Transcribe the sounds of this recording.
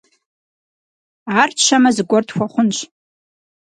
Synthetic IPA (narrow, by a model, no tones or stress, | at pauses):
art͡ʃʰʷamɐzɨɡʷɔrtxʷaχʷʊnʃʷʰʼ